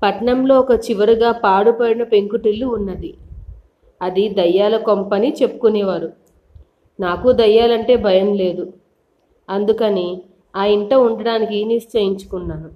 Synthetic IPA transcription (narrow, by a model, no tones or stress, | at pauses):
pɐʈɳɐmlo̞ːɔkɐt͡ʃiʋɐɾuɡaːpaːɽupɐɽinɐpe̞ŋkuʈilːuːnːɐd̪i | ɐd̪id̪ɐjːaːlɐkompɐnit͡ʃe̞pːu̥kunɛːʋaːɾu | naːkud̪ɐjːaːlɐɳʈe̞ːbʱɐjɐmle̞ːd̪u | ɐnd̪ukɐni | aːiɳʈɐuɳɖɐɽaːnikinist͡ʃɐjiɲt͡ʃu̥kunːaːɾu